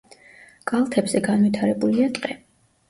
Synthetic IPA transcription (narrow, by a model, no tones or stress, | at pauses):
kʼalˠt̪ʰɛbzɛɡanvit̪ʰaɾɛbuliat̪ʼqʼɛ